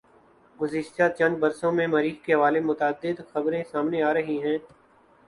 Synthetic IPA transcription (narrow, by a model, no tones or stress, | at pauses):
ɡʊzɪʃt̪at͡ʃɐ̃ndbɐɾsõmẽmɐɾiːxkeɦɐʋaːlemʊt̪ːd̪ːɪd̪xɐbɾẽsaːmneaːɾɐɦiɦɛ̃ː